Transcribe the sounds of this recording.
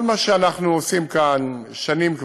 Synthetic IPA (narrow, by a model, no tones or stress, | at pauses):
lmaʃeanaχnuosimkan | ʃanimk